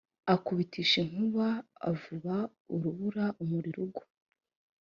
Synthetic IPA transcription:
akuβitʰiʃiŋ̥uβaa̰vuβa | uɾuβuɾaʔumuɾiɾuɡu̥

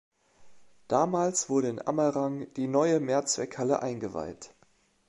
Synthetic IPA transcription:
d̥aːmaːlsv̥ʊɐɾəɪnʔa̰mɐʁaŋd̥iːnɔʏəmeːɐt͡sv̥ɛkhaləʔaɪnɡəva̰ɪt

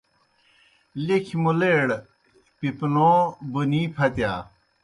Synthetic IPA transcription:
likʰmuleːɽ | pipnoːbuniːpʰɐt̪jaː

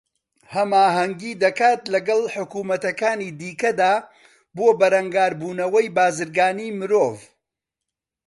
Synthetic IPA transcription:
hɐmaːɦɐŋɡiːd̪ɐkaːt̪lɐɡɐlˠħʊkuːmɐt̪ɐkaːnid̪iːkɐd̪aː | boːbɐɾɐŋɡaːɾbuːnɐwɐjbaːzɨɾɡaːniːmɨɾoːv

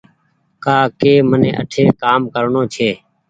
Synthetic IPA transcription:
kaːkeːmənḛ̃ːʔə̰ʈʰeːkaːmkəɾɳõːt͡ʃʰeː

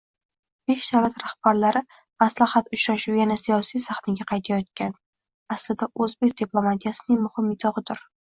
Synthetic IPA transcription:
b̥e̞ʃd̪awlat̪ɾahb̥aɾlaɾɪ | maslahat̪ʊt͡ʃɾaʃuwjanasijɒsijsaχnaɡʲaqʰɑjt̪ʰajɒt̪̚kʲan | aslɪd̪aʔɵzbek̚ʲd̪̥iplˠo̞mat̪ʰijasɪnɪŋmʊhɪmɪt̪ʰɒʁɨd̪ɪɾ

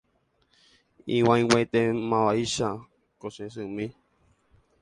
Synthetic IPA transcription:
ĩwãj̃wet̪emãʋaiʃa | kosẽs̬ɨmĩ

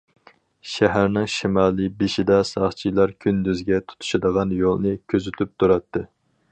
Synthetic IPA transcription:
ʃæɦæɾnɪŋʃimɑːlˠibeʃid̪ɛsɑχt͡ʃʰilˠɑɾkʲʰynd̪yzɡʲɛt̪ʰu̥t̪ʰu̥ʃɑd̪əʁɑnjolˠnɨkʲʰøzyt̪ʰyp̚t̪ʰuɾɑt̪ʰːɨ

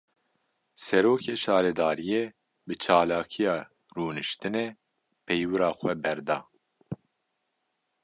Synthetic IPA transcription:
sɛɾoːkʰeːʃɑːɾɛd̪ɑːɾijeː | bɨt͡ʃʰɑːlɑːkʰijɑː | ruːnɨʃt̪ɨnɛ | pʰɛjwɨɾɑːxʷɛbɛɾd̪ɑː

